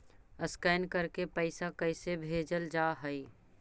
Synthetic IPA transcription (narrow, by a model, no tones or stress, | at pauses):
əskaːnkəɾkepəɪsakəɪsebʱeːd͡ʒəld͡ʒaːɦəi